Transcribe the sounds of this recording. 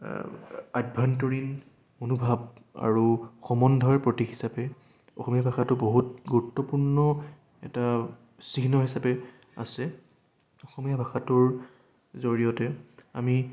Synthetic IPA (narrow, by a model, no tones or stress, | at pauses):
adbʱantoɹin | onubʱab̚a̰ɹuxɔmɔndʱɔɹpɹotixi̥sapɛ | ɔ̰xɔmijabʱaxatʊboɦut̚ɡuɹutːɔpuɹnɔ | ɛ̰ta | sinɔɦisapɛ | a̰sɛ | ɔxɔmijabʱaxatʊɹ | zoɹijɔtɛa̰mi